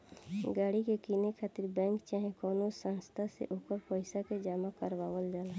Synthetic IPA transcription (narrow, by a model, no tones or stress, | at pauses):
ɡaːɽikekiːnekʰaːt̪ɪɾbɛ̃ːŋkt͡ʃaːɦẽkɔːnosə̃nst̪ʰasḛʔoːkəɾpəɪsaked͡ʒaːmakəɾbaːwəld͡ʒaːla